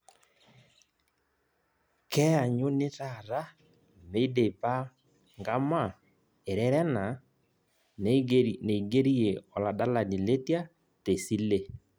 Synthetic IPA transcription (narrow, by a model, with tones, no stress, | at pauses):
kɛ˦a˨ɲo˦ne˦ta˦˨ɾa˦ | me˦i˦de˨pa˦ | ŋɡa˦ma˦˨ | e˨ɾɛ˦ɾɛ˦na˨ | ne˨i˨ɡe˦ɾi˦e˨ɔ˨la˨da˦la˨ni˨le˦tja˦ | te˨si˦le˦